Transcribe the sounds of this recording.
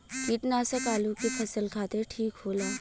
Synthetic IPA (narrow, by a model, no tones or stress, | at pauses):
kiːʈnaːsəkaːlukipʰɐsəlkʰaːt̪eʈʰiːkɦoːlaː